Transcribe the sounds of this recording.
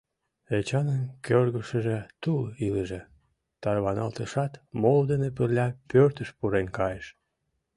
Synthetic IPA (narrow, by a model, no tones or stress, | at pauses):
et͡ɕɑnənkʰʲørɣəʃəʒet̪uliləʒe | t̪ɑrβɑnɑlt̪əʃɑt̪mold̪ənepərlʲɑpørt̪əʃpuɾenkɑjeʃ